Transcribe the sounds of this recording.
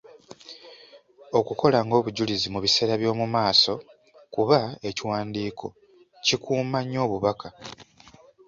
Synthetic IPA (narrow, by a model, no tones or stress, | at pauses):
o̞kuko̞laŋɡo̞ːβuɟulizimuβise̞ːɾaβjo̞ːmumaːso̞ | kuβae̞ciwaːndiːkʰo̞ | cikʰuːmaɲːo̞ːβuβaka